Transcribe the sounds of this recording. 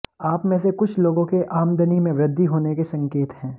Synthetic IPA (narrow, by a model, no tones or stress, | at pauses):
aːpmẽsekʊt͡ʃʰloːɡõkeʔaːmd̪ʱənimẽʋɾɪd̪ʱːiɦoːnekesɐ̃ŋkeːt̪ɦɛ̃ː